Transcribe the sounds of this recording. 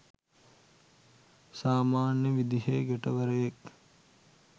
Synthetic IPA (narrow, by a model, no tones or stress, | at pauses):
saːmaːnjəʋid̪iɦeɡeʈəʋəɾəjek